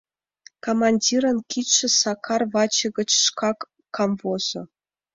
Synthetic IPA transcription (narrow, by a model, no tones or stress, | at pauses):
komɑnʲdʲiɾɤ̆nkʲit̪ʂɘ̆sɑkʰɑrvɑt͡ɕɤ̆ɡʲə̆t͡ɕʂkɑkː | ɑmvozɤ̆